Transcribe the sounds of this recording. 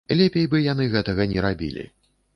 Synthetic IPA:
lʲepʲejbɨjanɨɣɛt̪ɐɣɐnʲɛɾabʲḭlʲḭ

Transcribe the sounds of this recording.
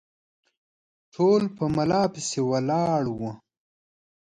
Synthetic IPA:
ʈʰoːlpəmɐlɑːpisewɐlɑːɽwo

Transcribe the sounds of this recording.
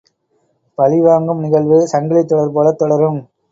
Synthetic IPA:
pɐlɪʋaːŋɡɯmnɪɣɐɭʋɯsɐŋɡɐɭɪt̪ːɔɽɐɾpoːlɐt̪ːɔɽɐɾɯm

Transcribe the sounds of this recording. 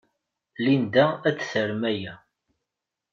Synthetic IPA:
lind̪ææt͡sːθəɾmæjæ

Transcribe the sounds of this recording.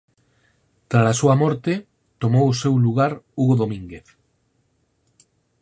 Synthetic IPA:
t̪ɾalasuɐmɔɾt̪e | t̪omowʊsewluɣ̞aɾuɣoðomĩŋɡeθ

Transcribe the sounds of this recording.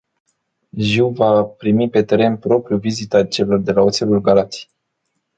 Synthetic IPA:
ʒiwvapɾimipe̞t̪e̞ɾe̞npɾo̞pɾjuvizit̪at͡ʃe̞lo̞rd̪e̞laot̪selulɡalat̪i̥

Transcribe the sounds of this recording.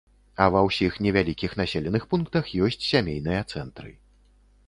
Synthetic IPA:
ɐvɐwsʲixnʲɛvʲalʲikʲixnasʲelʲɛnɨxpunkt̪ɐxjɔsʲt͡sʲsʲamʲejn̪ɨjɐt̪sɛnt̪ɾɨ̰

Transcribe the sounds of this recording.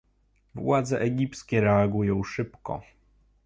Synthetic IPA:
vwad̪zɛʔɛɡʲipt̪skʲɛɾɛaɡujɔ̃w̃ʂɘpkɔ̰

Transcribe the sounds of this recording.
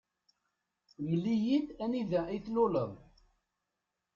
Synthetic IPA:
wəlːijiθæniðæiθlʊləðˤ

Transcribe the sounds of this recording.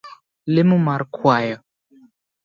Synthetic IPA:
lɪmʊmaɾkʰwaːjɔ

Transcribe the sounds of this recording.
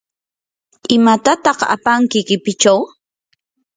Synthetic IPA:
ɪmat̪at̪ɑqa̰paŋkɪkɪpɪt͡ʃaw

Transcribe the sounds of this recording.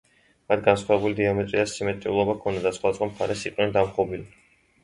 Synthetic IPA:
mat̪̚ʰɡansχwavɛbulid̪iamɛt̪sʼiasimɛt̪ʼiulˠɔbakʰɔnd̪ad̪asχwat̪sʼɔmχaɾɛsiqʼwnɛnd̪amχɔbili

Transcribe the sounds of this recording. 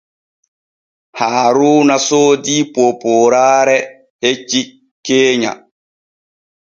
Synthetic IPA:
haːɾuːnasoːdipopoːɾaːɾɛ | het͡ʃːi | keːɲa̰

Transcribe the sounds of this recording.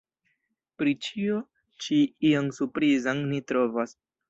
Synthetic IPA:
pɾit͡ʃio | t͡ʃiiaŋsuɾpɾizaŋnitɾo̞vas

